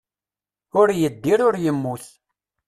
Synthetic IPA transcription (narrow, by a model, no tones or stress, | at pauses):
ʊɾjəd̪ːiɾʊɾjəmːuθ